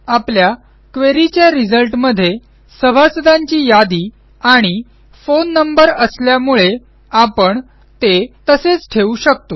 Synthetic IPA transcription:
aplja | kʋeɾit͡ɕjaɾid͡zəlʈməd̪ʱːje | səbʱasəd̪ãɲt͡ɕiːjad̪iː | aɽ̃i | fonːəmbəɾəsljamuɭe | apəɳ | t̪et̪əset͡sʈʰeuɕək̚t̪o

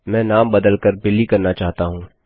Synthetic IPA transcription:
mɛ̃ːnaːmbɐd̪əlkəɾbɪlikɐɾnat͡ʃaːɦt̪aɦũː

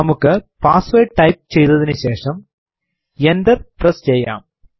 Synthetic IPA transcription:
ɐmɯkːɨpaːsʋeːʈʈɐɪp̚t͡ɕɛjðɐðɪnɨɕeːʂɐm | ɛnd̪ɐɾpɾɐst͡ʃɛjːa̰ːm

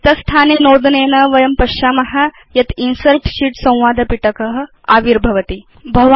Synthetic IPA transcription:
t̪ɐst̪ʰaːnenoːd̪neːnɐʋɐjɐmpɐʃaːmɐɦa | jɐt̪insɐɾʈʃiːʈsɐ̃w̃ʋaːd̪ʱɐpiʈɐkɐɦ̆ | a̰ːʋiɾbʱɐʋɐt̪i | bʱɐʋa

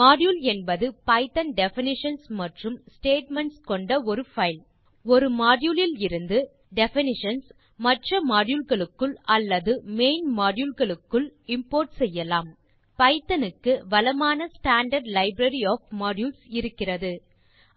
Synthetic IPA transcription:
maːɖjuːlɛnbɐðɯpɐɪt̪ɐnɖɛfɪnɪʂɐnsmɐʈrɯmsʈeːʈmɛɳʈskɔɳɖɐɔɾɯfɐɪl | ɔɾɯmaːɖjulɪlɪɾɯnd̪ɯ | ɖɛfɪnɪʂɐns | mɐʈrɐmaːɽjuːlɣɐɭɯkːɯɭɐlːɐðɯmeːɪnmaːɽjulɣɐɭɯkːɯɭɪmpoːɾʈsɛjːɐlaːm | pɐɪt̪ːɐnɯkːɯʋɐlɐmaːnɐsʈaːɳɖɐɾɖlɐɪbɾɐɾiɔːfmaːɖjuːlsɪɾɯkːɪrɐðɯ

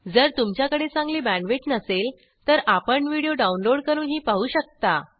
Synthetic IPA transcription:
d͡zəɾt̪umt͡ɕjakəɽet͡sãŋɡliːbæɳʋeʈnəsel | t̪əɾapəɳʋiɽijoɖaunloɽkəɾuːnɦiːpaɦuːɕək̚t̪a

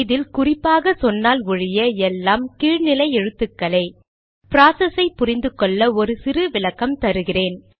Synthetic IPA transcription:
ðɪlkʊrɪpːaːɣɐsɔnːaːlʊɻɪjɐɛlːaːmkiːɻnɪlɐɪɛɻɯt̪ːɯkːɐlɐɪ | pɪɾaːsɐsɐɪpːʊrɪnd̪ɯkːɔɭːɐɔɾɯsɪrɯʋɪlɐkːɐmt̪ɐɾɯɣɪreːn

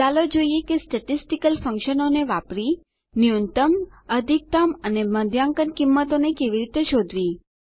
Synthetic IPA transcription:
alod͡ʒoijekesʈəʈisʈikəlfə̃ŋkʃənoneʋapɾi | niunt̪əməd̪ʱik̚t̪aməneməd̪ʱjãŋkənkimːət̪onekeʋiɾit̪eʃod̪ʱʋi

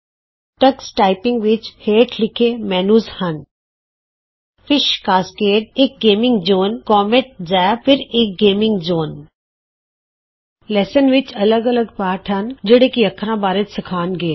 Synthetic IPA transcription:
ʈɐksʈaːɪpɪ̃ŋɡʋɪt͡ʃheːʈʰlɪkʰemɛːnuːzhɐn | fɪʃkaːskeːʈ̚eːk̚ɡeːmɪ̃ŋɡd͡ʒoːnkɔːmeʈ̚d͡ʒaːjpɪɾeːk̚ɡeːmɪ̃ŋɡd͡ʒoːn | lɛːsənʋɪt͡ʃɐləɡɐləɡpaːʈʰɦɐnd͡ʒəɽekiɐkʰːɾãbaːɾət̪sɪkʰaːnɡeː

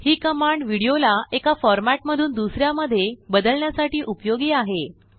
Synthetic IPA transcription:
hiːkəmaɳɖʋiɽijolaekafɔɾmæʈməd̪ʱuːnd̪usɾjaməd̪ʱːjebəd̪əlɳjasaʈiːʔupjoɡiːaɦe

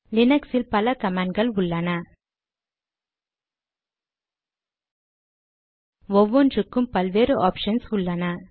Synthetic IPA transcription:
lɪnɐksɪlpɐlɐkɐmaːɳɖɡɐɭʊɭːɐnɐ | ɔʋːɔnd͡ʒɯkːɯmpɐlʋeːɾɯʔaːpʂɐnsʊɭːɐnɐ

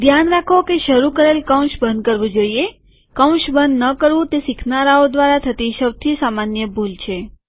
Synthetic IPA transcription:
d̪ʱjanɾakʰokeʃəɾukəɾelkəw̃ʃbənd̪̚kəɾʋũd͡ʒoie | kə̃w̃ʃbənd̪nəkəɾʋũt̪esikʰnaɾaod̪ʋaɾat̪ʰət̪iʃəwt̪ʰisamanjəbʱult͡ʃʰe

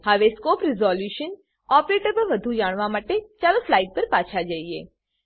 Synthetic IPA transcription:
həʋeskoːpɾɪzɔljuʃən | ɔpɾeʈəbəʋəd̪ʱũd͡ʒaɽ̃ʋamaːʈet͡ʃaɾũflaiʈ̚pəɾpaːt͡ʃʰad͡ʒaie

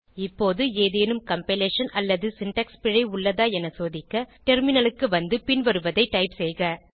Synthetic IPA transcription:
ɪpːoːðɯeːðeːnɯmkɐmpɪleːʂɐnɐlːɐðɯsɪɳʈɐkspɪɻɐɪʊɭːɐðaːɛnɐsoːðɪkːɐʈɛɾmɪnɐlɯkːɯʋɐnd̪ɯpɪnʋɐɾɯʋɐðɐɪʈːɐɪpsɛjɣɐ

